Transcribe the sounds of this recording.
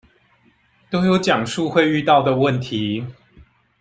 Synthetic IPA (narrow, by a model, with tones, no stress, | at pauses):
t̪o˥ʊjo˨˦ʊt͡ɕjɑ˨˩ŋʂu˥˧xwe˥˧ɪy˥˧t̪ɑ˥˨ʊd̪ə˩wə˥˨nt̪ʰi˨˦